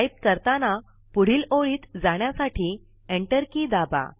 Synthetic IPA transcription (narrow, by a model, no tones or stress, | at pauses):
ajp̚kəɾt̪ana | puɽ̤iːloɭiːt̪d͡zaɳjasaʈʰiː | eɳʈəɾkid̪aba̰